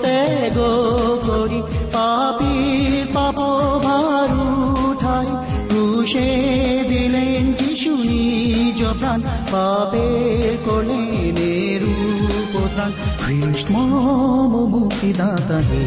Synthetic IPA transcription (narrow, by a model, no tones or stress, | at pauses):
t̪ɛɡokoɾipapiɾpapobʱaɾuʈʰai | ɾuʃed̪ilend͡ʒiʃunid͡ʒot̪an | papekoleneɾupot̪ankʰɾiʂʈmɔmomukid̪at̪at̪e